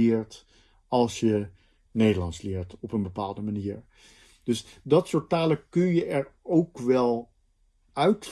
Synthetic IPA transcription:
ɪːɹt | ɑlˠsjə | nejdəlɑntslɪːɹtɔpənbəpaːlˠdəmaniːɹ | d̥ɵsdɑtsʊːt̚aːləkɵnjəɛɹowkʋɛlˠ | œɥt

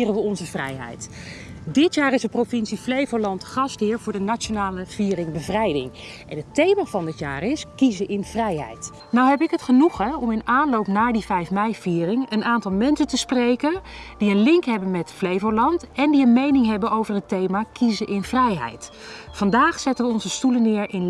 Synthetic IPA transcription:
rənʋəɔnzəvrɛ̰jɦɛ̰jtdɪtjaːrɪzdəprowfɪnsiflejvolɑntχɑstɦɪːɹvʊːɹdənat͡ʃonaːləv̥iːrɪŋbəvrɛjdɪ̰ŋ | ʔɛ̰nɦətejmaːvɑndɪtjaːrɪskizəʔɪnvrɛjɦɛ̰jt | nawɦɛpɪkɦətχənuχəɔmɪnaːnlowpnaːɹdivɛjfmɛjv̥iːrɪŋənaːntɑlˠmɛnsəntəsprejkənd̥iənlɪŋkɦɛbənmɛtflejvəɹlɑntɛndiənmejnɪŋɦɛbənowvəɹɦətejmaːkizəʔɪnvrɛjɦɛ̰jt | fɑndaːχsɛtəʋəɔnzəstulənːɪːɹʔɪn

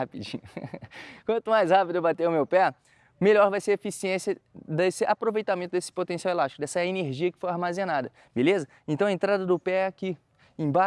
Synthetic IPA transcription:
apid͡ʒĩɲʊ | kwɐ̃nt̪ʊmajshapid̪ʊbat̪ewʊmewpɛ | meʎɔɾvajseɾefisiẽsiɐd̪esɪʔapɾovejt̪amẽnt̪ʊd̪esɪ̥pot̪ẽsiawelaʃt͡ʃikʊd̪ɛsɐɛɐeneɾʒiɐkɪ̥fojaɾmazẽnad̪ɐ | belezɐ | ẽnt̪ɐ̃w̃ɐẽnt̪ɾad̪ɐd̪ʊpɛkɪ | ẽba

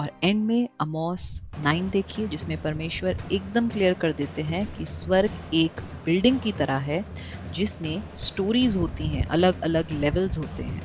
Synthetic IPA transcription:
ɔːɾɛ̃ɳɖmẽɐmɔːsnaːɪnd̪eːkʰied͡ʒɪsmẽpɐɾmeːʃwəɾeːk̚d̪əmklijəɾkɐɾd̪eːt̪eɦɛ̃kiswɐɾɡeːkbɪlɖɪ̃ŋɡ̚kit̪ɐɾaɦɛd͡ʒɪsmẽsʈoːɾiːzɦoːt̪iɦɛ̰̃ʔɐ̰ləɡɐləɡlɛʋəlzɦoːt̪ḛɦɛ̰̃ː

